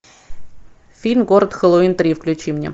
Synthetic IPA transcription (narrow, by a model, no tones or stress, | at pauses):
fʲilʲmɡo̞ɾət̪xəlˠoint̪ɾʲifklʲʉt͡ɕimnʲḛ